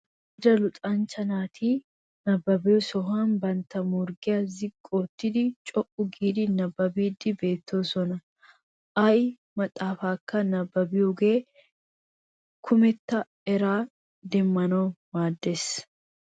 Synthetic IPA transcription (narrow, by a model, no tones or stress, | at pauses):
d̪ɐlʊt̪ʼɐnt͡ʃːɐnaːt̪ʰiː | nɐbːɐbɪjɔsɔɦaːnbɐnt̪ɐmʊɾɡɪjɐzɪkʼːoːt̪ːɪd̪ɪt͡ʃʼɔʔʊɡiːd̪ɪnɐbːɐbiːd̪ːɪbe̞ːt̪ːoːsɔnɐ | ʔɐj | mɐt̪ʼaːfaːkːɐnɐbːɐbɪjʊɡe̞ː | kʰʊmɛt̪ːɐ | ɛɾaː | d̪ɛmːɐnoːmaːd̪ːes